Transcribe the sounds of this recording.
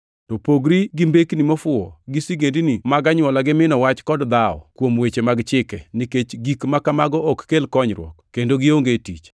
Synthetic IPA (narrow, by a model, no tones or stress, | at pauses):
tɔpoɡɾiɡimbeknimɔfʊɔɡɪsiɡendinimaɡaɲwɔlaɡɪmɪnɔwat͡ʃkɔdd̪aɔ̰kwomwet͡ʃemaɡt͡ʃɪkɛnɪket͡ʃɡikmakamaɡɔɔkːelkɔɲɾwɔ̰kkːendoɡɪoŋɡetit͡ʃ